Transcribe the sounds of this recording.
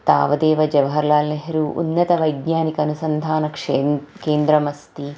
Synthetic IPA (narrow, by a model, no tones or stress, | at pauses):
t̪a̰ːʋɐd̪eːʋɐd͡ʒɐʋɐɦɐɾlaːlneɦɾuʔṵnːɐt̪ɐʋɐjɡɲaːnikɐɐnusɐnd̪ʱaːnɐkʂkeːnd̪ɾɐmɐst̪i